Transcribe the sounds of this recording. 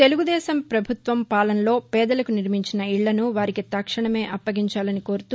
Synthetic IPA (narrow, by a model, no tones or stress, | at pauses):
t̪e̞luɡud̪ɛːsɐmpɾɐbʱut̪ʋɐmpaːlɐnlo̞ːpɛːd̪ɐlɐkuniɾmiɲt͡ʃinɐiɭːɐnuʋaːɾikit̪akʂɐɳɐme̞ːʔɐpːɐɡiɲt͡ʃaːlɐniko̞ːɾut̪uː